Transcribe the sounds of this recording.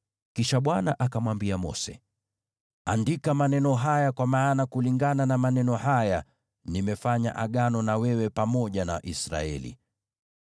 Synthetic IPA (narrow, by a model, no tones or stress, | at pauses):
kiʃaɓwanaʔakamwambiamɔ̰sɛ̰ | andikamanɛnɔɦajakwamaːnakuliŋɡananamanɛnɔhaja | nimɛfaɲa̰ʔaɠanɔnawɛwɛpamɔʄanaa̰ʔisɾa̰ɛ̰lḭ